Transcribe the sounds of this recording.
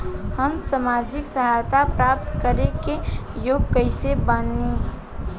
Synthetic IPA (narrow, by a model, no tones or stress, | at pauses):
həmsamad͡ʒɪksəɦajt̪apɾap̚t̪kəɾekejoːɡ̚kəɪsebane